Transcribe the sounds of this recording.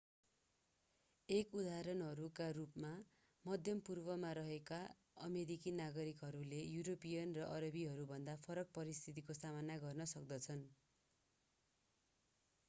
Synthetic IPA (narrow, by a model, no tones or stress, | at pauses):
ekud̪aɾʌnɦʌɾukarupma | mʌd̪ʱjʌmpurbʌmaɾʌɦeka | ʌ̰meɾikinaɡʌɾikɦʌɾulejuɾopijʌnrʌʔʌɾʌbiɦʌɾubʱʌnd̪apʰʌɾʌk̚pʌɾist̪ʰit̪̬ikosamanaɡʌrnʌsʌk̚d̪ʌt͡sʰʌn